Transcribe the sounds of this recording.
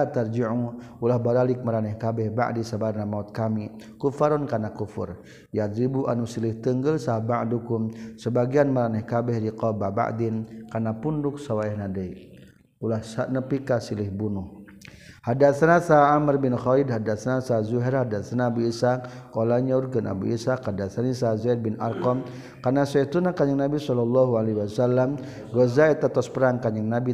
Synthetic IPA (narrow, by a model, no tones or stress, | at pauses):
at̪ard͡ʒiʕuŋulahbaɾalik̚məɾanɛhkabɛhba̰ʔdisabarnamaut̪̚kamikufaɾɔnkanakufṵr | jad̪ɾibuʔanusilɪht̪əŋɡəlsabaʔdukumsəbaɡianməɾanɛhkabɛhɾiqɔbaba̰ʔdinkanapundʊk̚sawaɛhnadɛi | kulahsanəpikasilɪhbunʊh | hadat̪sanasaamərbinxɔidɦadat̪sanasazuɦɛrhadat̪sanabuisakɔlaɲaurɡanʔa̰bṵʔisakhadat̪sanisazair̚binʔa̰rkɔm | karnasait̪unakaɲaŋnabisɔlɔlːɔɦualeɦiwasalːam | rɔzaɛt̪ːat̪ɔspəɾaŋkaɲaŋnabi